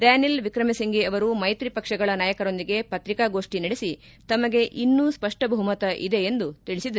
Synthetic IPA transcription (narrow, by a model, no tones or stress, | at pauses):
ɾaːnilʋikɾɐmɛsɐŋɡiɐʋɐɾumɐjt̪ɾipɐkʂɐɡɐɭɐnaːjɐkɐɾo̞nd̪iɡe̞pɐt̪ɾikaɡo̞ːʂʈinɐɽesi | t̪ɐmɐɡe̞ʔinːuspɐʂʈɐbʱɐɦumɐt̪ɐʔḭd̪e̞ːnd̪ut̪iɭisid̪ɐ